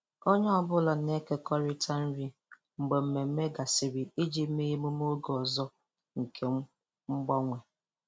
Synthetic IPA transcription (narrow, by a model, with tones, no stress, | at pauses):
o˦ɲe˦ɔ˨bʊ˦la˨ne˦ke˦kɔ˦ɾi˦tʰa˦n̩˦ɾi˦ | ŋ͡m̩˨ɡ͡be˨m̩˨me˨m̩˦me˦ɡa˨sɪ˨ɾi˨i˦d͡ʒi˦me˦ji˦mu˦m˦o˦ɡɔ˨zɔ˦ | ŋ̩˨kʰe˨˦ | ŋ͡m̩˦ɡ͡bɔ˦ŋʷe˨